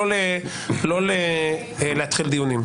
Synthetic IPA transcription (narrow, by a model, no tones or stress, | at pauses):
le | lole | lehat̪χild̪ijunim